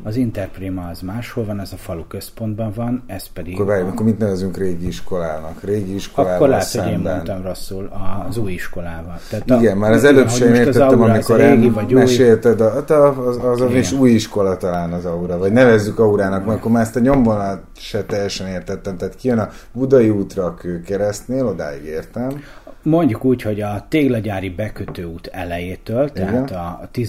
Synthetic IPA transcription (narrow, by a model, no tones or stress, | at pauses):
ɒzint̪ɛrpreːmɑːzmaːʃholvɒnɛzɒfɒlukøspo̞nd̪̚bɒɱvɒnɛspɛd̪iɡkːorvaːjumkːormit̪nɛvɛzyŋkreːɡiiʃko̞laːnɒkreːɡiiʃklaːoɛsɛeːmboɛ̰nt̪ɔmro̞sːulɒzuːjiʃkolaːvɒlt̪aːtiɡɛnmaːɾɒzɛløːpɛeːmeːrt̪ɛt̪ːɛmmikoɾenimɛʃeːlt̪ɛd̪t̪ɒzɒviʃuːjiʃko̞lɒt̪ɒlaːnɒzɒuɾɒvɒɟnɛvɛzːykɒuɾaːnɒkmɛkːormaːɾɛst̪ɛɲo̞mvonɒ | ʃɛt̪ɛjɛʃɛneːrt̪ɛt̪ːɛmt̪aːt̪kijønɒvud̪ɒjiuːt̪rɒːkøːkɛɾɛst̪neːlo̞d̪a̰ːḭɡeːrt̪ɛm | mo̞ɲɟukuːcho̞ɟɒt̪eːɡlɛɟaːɾibɛkøt̪øːuːt̪ɛ̰lɛjeːt̪øːlt̪ɛiɡɛnt̪ɒt̪i